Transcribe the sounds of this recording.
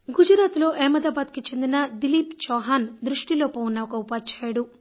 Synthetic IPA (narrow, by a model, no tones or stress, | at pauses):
ɡud͡ʒɾaːt̪lo̞ːʔɛːmɐd̪aːbaːd̪kit͡ʃe̞nd̪inɐd̪iliːpt͡ʃɔːɦaːnd̪ɾuʂʈilo̞ːpɐwunːɐɔkɐupaːt͡ʃʰaːjɐɽu